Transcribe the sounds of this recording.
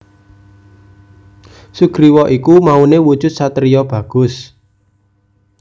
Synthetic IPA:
suɡ̥ɾiwɔʔikumaunewud̥ʒ̥ʊ̤t̪̚sat̪ɾijɔb̥ä̤ɡ̥ʊ̤s

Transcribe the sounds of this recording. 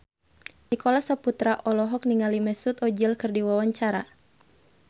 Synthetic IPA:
nikɔlasaput̪ɾaʔɔlɔɦɔk̚niŋalimɛsut̪ɔd͡ʒilkɨrdiwawaɲt͡ʃaɾa̰

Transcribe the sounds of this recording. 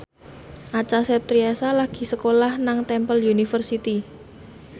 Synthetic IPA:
ʔat͡ʃasɛp̚t̪ɾiasalaɡ̥i̤səkolahnaŋt̪ɛmpəljunifərsit̪i

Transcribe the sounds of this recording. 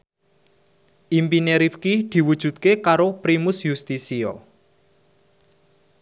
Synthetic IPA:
ʔimpineɾifkid̪̥i̤wud̥ʒ̥ṳt̪̚kekaɾopɾimʊsjust̪isiɔ̰

